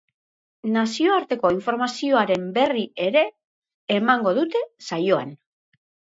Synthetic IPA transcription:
nasio̞aɾt̪e̞ko̞iɱfo̞ɾmasio̞aɾe̞mbe̞rie̞ɾe̞ː | maŋɡo̞ðut̪e̞sajo̞a̰n

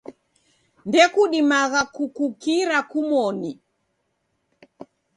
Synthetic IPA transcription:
ndɛkuɗimaɣakukukiɾakumɔni

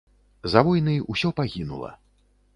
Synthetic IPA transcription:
zavɔjnɨjusʲɔpaɣʲinṵlˠɐ̰

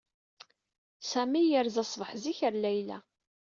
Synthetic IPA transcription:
sæmijəɾzɑsˤvəħziçəɾlæjlæ̰

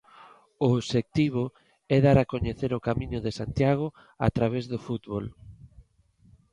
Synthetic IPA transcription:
oːβʃek̚t̪iβʊ | ɛðaɾakoɲeθeɾʊkamĩɲʊðɪsant̪jaɣ̞ʊ | a̰t̪ɾaβ̞ezðʊfut̪βol

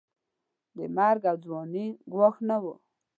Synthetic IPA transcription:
d̪əmaɾɡawd͡zwɔniɡwɑxnawu

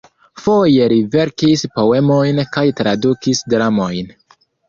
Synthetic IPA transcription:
fo̞je̞ɾive̞ɾkispo̞we̞mo̞jnkajtɾadukisdɾamo̞jn

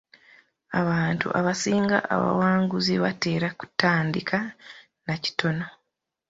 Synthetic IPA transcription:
aβaːntṵʔaβasiːŋɡa̰ʔaβa̰waːŋɡuziβate̞ːɾaku̥taːndikʰa | naci̥tʰo̞no

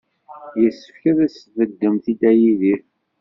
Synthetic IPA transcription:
jəsːə̥fkæðæsəvəd̪ːəmθid̪æjiðiθ

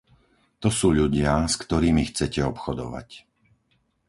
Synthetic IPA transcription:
t̪ɔsuːʎuɟɪaskt̪ɔɾiːmixt͡sɛcɛɔpxɔd̪ɔ̰ʋa̰c

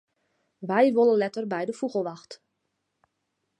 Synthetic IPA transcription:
ʋɛjʋoləlɛtərbɛjdəfuɣəlˠʋaxt

